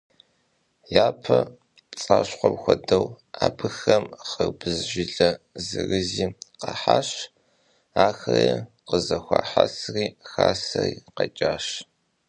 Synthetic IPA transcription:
jaːpʰɐ | t͡sʼaːɕqʷɔmxʷɔdɐw | aːbɨxɐmχərbɨzʒɪɮɐzɨɣɨziːqɐħaːɕ | aːxɐjɛ | qəzɐxʷaːħasriːxaːsɐriːqɐt͡ʃʼaːɕ

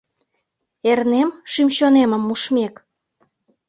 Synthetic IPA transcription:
ernemʃimɕoneməmːuʃmek

